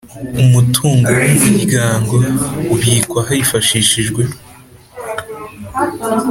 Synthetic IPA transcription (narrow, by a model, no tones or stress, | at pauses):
umutʰuːŋɡowumuɟiɡaːŋɡo̞uβiːkwaɦajifaʃiːʃiʒɡwe̞